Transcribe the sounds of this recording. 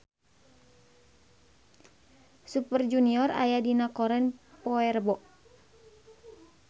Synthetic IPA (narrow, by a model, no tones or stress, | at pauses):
supərd͡ʒuniɔra̰jadinakɔɾɛnpɔɛrbɔʔ